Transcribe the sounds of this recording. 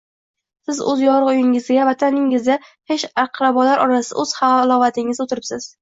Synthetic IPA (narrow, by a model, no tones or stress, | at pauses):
sɪzɵ̰zjɒɾɨqʊjɪŋɪzɡʲavat̪ʰanɪŋɪzd̪ahe̞ʃaqʰlˠabɒlaɾʔɒɾasɪd̪a̰ɵz̥halˠɒvat̪ʰɪŋɪzot̪ʰɪɾɪpsɪz̥